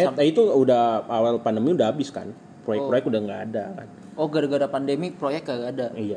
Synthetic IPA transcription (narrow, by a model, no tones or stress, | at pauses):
ɛt̪ait̪uudahawalpandəmiudaɦabɪska̰n | pɾojɛk̚pɾojɛkt̪udahŋɡaːda̰ka̰n | oɡaɾaɡaɾapandemipɾojɛk̚ɡaɡaːdaija